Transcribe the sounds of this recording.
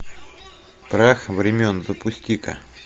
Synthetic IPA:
pɾaxvɾʲɪmʲonzəpʊsʲt̪ʲikə̰

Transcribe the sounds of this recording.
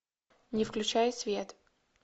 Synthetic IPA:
nʲɪfklʲʉt͡ɕæjɪsvʲet̪

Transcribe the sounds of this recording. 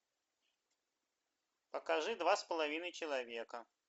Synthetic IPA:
pəkɐʐɨd̪vaspəlˠɐvʲinəjt͡ɕɪlˠɐvʲe̞kə

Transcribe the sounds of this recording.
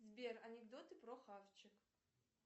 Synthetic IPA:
zʲbʲerɐnʲɪɡd̪ot̪ɨpɾoxaft͡ɕɪk

